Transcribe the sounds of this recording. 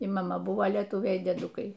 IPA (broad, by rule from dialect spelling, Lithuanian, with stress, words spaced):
iː mɐˈmɐ ˈbʊʋoː lʲiɛˈtuːʋʲɛɪ iː dʲiɛˈdʊkɐɪ